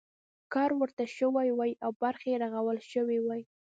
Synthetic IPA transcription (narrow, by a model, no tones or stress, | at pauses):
kɑɾwəɾt̪aʃəwajwajʔawbaɾxeɾaɣawəlʃəwiwaj